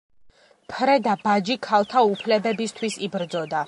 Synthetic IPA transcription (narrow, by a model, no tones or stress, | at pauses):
pʰɾɛd̪abad͡ʒikʰalˠt̪ʰaupʰlɛbɛbist̪ʰwisibɾd̪zɔd̪a